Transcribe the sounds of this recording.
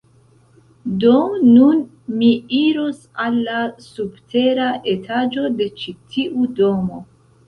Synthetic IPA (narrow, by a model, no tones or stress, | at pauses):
do̞ːun | miiɾosalːasubtʰe̞ɾaʔe̞tʰad͡ʒo̞de̞t͡ʃitʰiʔudo̞mo̞